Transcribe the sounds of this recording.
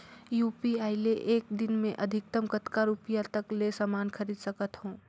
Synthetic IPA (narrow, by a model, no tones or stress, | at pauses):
juːpiaːɪleʔeːk̚d̪ɪnmẽʔəd̪ʱɪk̚t̪əmkət̪kaɾupjat̪əklesamaːnkʰəɾiːd̪sɐkət̪ɦõː